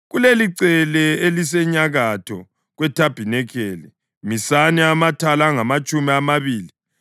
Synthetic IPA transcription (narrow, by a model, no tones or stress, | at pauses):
ɣuleliǀɛlɛelis̬ɛɲaɣatʰɔ̰ | ɣwɛtʰab̥ʱinɛkʰɛːlɛ | misanɛamatʰalaŋamat͡ʃʼumiamaβiːli